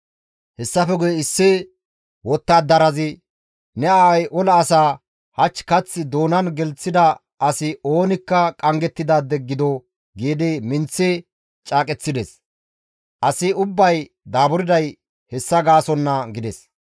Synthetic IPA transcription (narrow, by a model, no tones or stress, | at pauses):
hɛsːɐfɛɡʊjɛɪsːɪ | wɔt̪ːaːd̪ɐɾɐzɪ | nɛaːwɐjʔɔlɐːsaː | hɐt͡ʃːkɐt͡sːɪd̪o̞ːnɐnɡɛlt͡sːɪd̪ɐ | ɐsɪo̞ːnɪkːɐkʼɐŋɡɛt̪ːɪd̪aːd̪ɛɡːɪd̪ɔ | ɡeːd̪emɪnt͡sːɛ | t͡ʃʼaːkʼɛt͡sːɪd̪ɛs | ʔɐsɪʊbːɐj | d̪aːbʊɾɪd̪ɐj | hɛsːɐɡaːsɔnːɐɡɪd̪ɛs